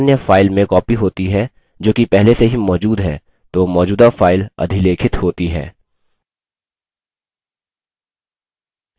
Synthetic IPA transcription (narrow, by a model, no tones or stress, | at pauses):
njəfaːɪlmẽkɔːpiɦoːt̪iɦɛː | d͡ʒoːkipɛɦleseɦimɔːd͡ʒuːd̪ɦɛː | t̪oːmɔːd͡ʒuːd̪afaːɪlɐ̰d̪ʱileːkʰɪt̪ɦoːt̪iɦɛ̰ː